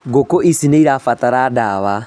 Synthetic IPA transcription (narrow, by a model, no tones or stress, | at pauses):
ɡokɔʔisineiɾafataɾadaβa